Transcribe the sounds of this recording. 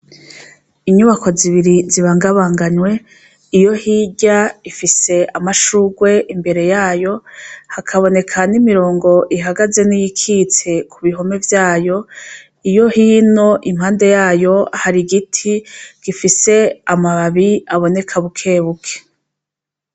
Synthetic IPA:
iɲuβakʰo̞ziβiɾiziβaːŋɡaβaːŋɡaɲwe̞ | ijo̞hiɟaifise̞amaʃuɡwe̞ʔimbe̞ɾe̞jaːjo̞hakʰaβo̞ne̞kʰanimiɾo̞ːŋɡo̞ʔiɦaɡaze̞nijikʰiːt͡se̞kʰuβiɦo̞me̞vjaːjo̞ | ijo̞hiːno̞ʔimhaːnde̞jaːjo̞ahaɾiɡitʰiɡ̥ifise̞amaβaβiaβo̞ne̞kʰaβukʰe̞ːβukʰe̥

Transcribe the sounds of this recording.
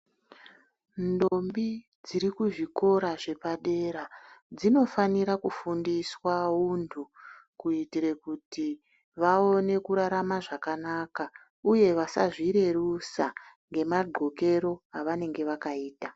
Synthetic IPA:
ndo̞mbi | d͡ziɾikuʐiko̞ɾaʐe̞paɗe̞ɾad͡zino̞faniɾakufundiswaundʰʱukuitiɾekuti | ʋao̞ne̞kuɾaɾamaʐakanaka | uje̞ʋasa̰ʐiɾe̞rusaŋɡe̞maɡ͡ǃʱo̞ke̞ɾo̞aʋane̞ŋɡe̞ʋakaiːta

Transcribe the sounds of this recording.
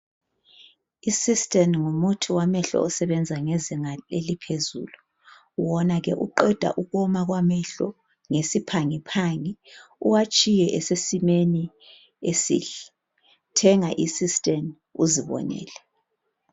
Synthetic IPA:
isistʼɛnŋumutʰiwamɛɬɔ̰ɔsɛβɛnd͡zʱaŋɛzɛŋalelipʰezṵːlu | wɔnaɣɛʔuǃɛd̥ʱa̰ʔuɣɔmaɣwamɛɬɔ̰ | ŋesipʰaŋipʰaŋiṵwat͡ʃʼijɛʔɛsesimeni | esḭːɬɛ̥ | tʰɛŋaʔisistʼɛn | uziβɔ̰nɛ̰ːlɛ

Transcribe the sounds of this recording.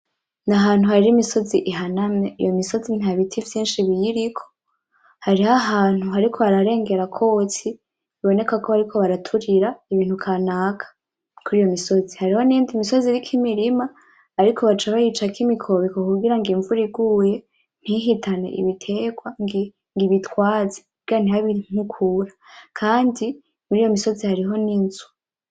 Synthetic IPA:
naɦaːn̥huhaɾiɾimiso̞ziʔiɦanamɲeḭjo̞miso̞zin̥aβitʰivjiːnʃiβijiɾikʰo̞̥ | haɾihaɦaːn̥huɦaɾikʰo̞βaɾaɾe̞ːŋɡe̞ɾakʰo̞t͡si | iβo̞ne̞kako̞haɾikʰo̞βaɾatʰuɾiɾaiβiːn̥hukʰanaːkʰḁ | kuɾiːjo̞miso̞zihaɾiho̞niːndimiso̞ziɾikʰimiɾimaː | ɾikʰo̞βat͡ʃaβajit͡ʃakimikʰo̞βekokuɡiɾaŋɡiːɱvuɾiɡuːje̞ | n̥hiɦitʰane̞̰ʔḭβitʰe̞ːɡwaŋi | ŋɡiβitʰwaːze̥ | ɡian̥ihaβin̥ukʰuɾakʰaːndi | muɾiːjo̞miso̞zihaɾiɦo̞niːnzu̥

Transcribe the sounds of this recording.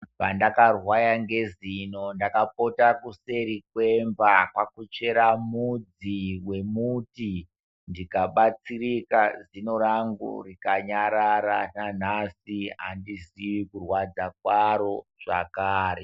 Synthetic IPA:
pandakarwajaŋɡe̞zino̞ndakap̚o̞takuse̞ɾikwe̞mvakwakut͡ʃe̞ɾamud͡ziwe̞muti | ndikaɓat͡sirikazino̞ɾaŋɡṵrikaɲaɾaɾanan̤asiɦa̰ndisiwikurwad͡zakwaɾo̞ʐ̥a̰kaːɾe

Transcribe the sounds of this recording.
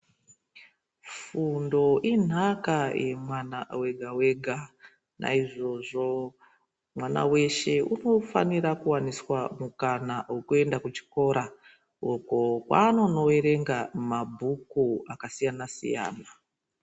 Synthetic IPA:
fundo̞ʔin̤akaje̞mwanawe̞ɡʱawe̞ɡʱa | nʔa̰iʐo̞ʐo̞ | mwana̰we̞ʃe̞ʔuno̞fa̰niɾakuwaniswamukanawokue̞ndakut͡ʃi̥ko̞ɾa | okokwano̞no̞weɾe̞ŋɡamabʱukuakasijanasḭja̰ːna

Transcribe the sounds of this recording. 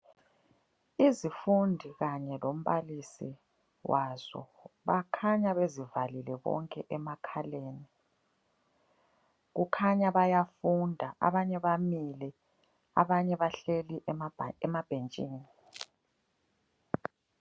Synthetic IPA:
izifundʱiɣaɲɛlom̩βalisi | wazɔ̰βakʰaɲaβezivalilɛβɔ̰ŋkʼɛʔɛmakʰaleːni | ɣukʰaɲaβajafundʱaʔa̰βaɲɛβamilɛ | aβaɲɛβaɬeliʔɛmab̥ʱent͡ʃʼiːni

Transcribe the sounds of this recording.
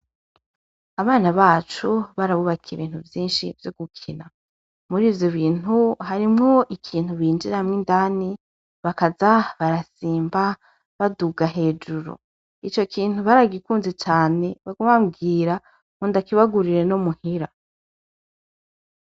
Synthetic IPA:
aβaːnaβaːt͡ʃuβaɾaβuβakʰieβiːn̥uvjiːnʃivjo̞ɡukʰina | muɾiːvjoβiːn̥huɦaɾimŋo̞ʔikʰiːn̥uβiːnd͡ʒiɾamŋindani | βakazaβaɾasiːmba | βaduɡaɦe̞ːd͡ʒuɾṵ | it͡ʃo̞kʰiːn̥huβaɾaɡikuːnzet͡ʃaːne̞βaɡuβamɡiːɾa | muːndakiβaɡuɾiɾe̞nomuhiɾa

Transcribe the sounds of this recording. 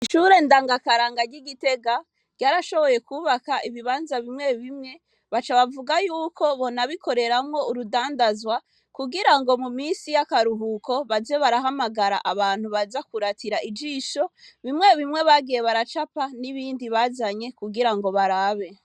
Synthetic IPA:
iʃuɾe̞ndaːŋɡakaɾaːŋɡaɟiɡite̞ɡa | ɟ̥aːɾaʃo̞βo̞je̞kuβakaʔiβiβaːnzaβimŋe̞βimŋe̞ | βat͡ʃaβavuɡajuːkʰo̞βo̞naβikʰo̞ɾe̞ɾamŋo̞uɾudaːndazwa | kuɡiɾaŋɡo̞muminsijakaɾuɦuko̞βazeβaɾaɦamaɡaɾa̰ʔaβaːn̥huβazakuɾatʰiɾaʔid͡ʒiʃo̞βimŋe̞βimŋe̞βaɡijeβaɾat͡ʃapaniβiːndiβaːzaɲe̞kuɡiɾaŋɡo̞βaɾaːβe

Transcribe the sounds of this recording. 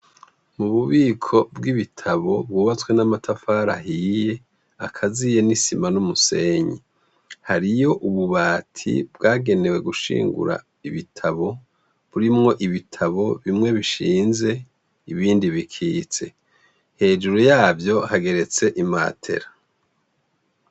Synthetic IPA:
muβuβiːkʰo̞bɡiβitʰaβo̞bɡuːβat͡swe̞namatʰafaɾa̰ɦije̞ | akʰazije̞nisimanumuse̞ːɲi | haɾijo̞ʔuβuβaːtʰḭbɡaːɡe̞ne̞we̞ɡuʃḭːŋɡṵɾa̰ | iβitʰaβo̞ | βuɾimŋo̞ʔiβitʰaβo̞βimŋe̞βiʃiːnze̞ | iβiːndiβikʰiːt͡se̞ | he̞ːd͡ʒuɾojaːvjo̞haɡe̞ɾe̞t͡se̞ʔima̰ːtʰe̞̰ɾa

